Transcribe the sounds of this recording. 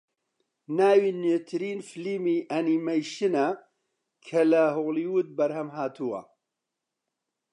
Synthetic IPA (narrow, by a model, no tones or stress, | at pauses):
naːwiːnet̪ʰɨɾiːnfɨliːmiːʔɐniːmɐjʃɨnɐ | kʰɐlɐɦoɣliːwut̪̚bɐɾhɐmɦaːt̪ʰuwɐ̰